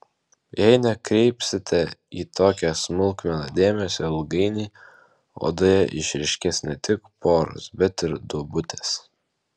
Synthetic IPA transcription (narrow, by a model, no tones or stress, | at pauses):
jɛɪnʲɛkɾʲɛɪpʲsʲɪt̪ʲɛiːt̪oːkʲɛsmʊlˠkmʲɛnɐd̪ʲeːmʲɛsʲolˠɡɐɪnʲiː | o̰ːd̪ojɛʔɪʃʲɾʲɪʃʲkʲɛsnʲɛt̪ʲɪkpoːɾo̰sbʲɛt̪ɪɾd̪uɔbʊt̪ʲes